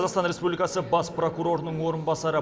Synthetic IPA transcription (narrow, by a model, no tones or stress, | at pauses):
zɑʁst̪ɑnɾe̞spublʲikɑsəbɑspro̞kuɾo̞ɾənəɴwo̞ɾənbɑsɑɾə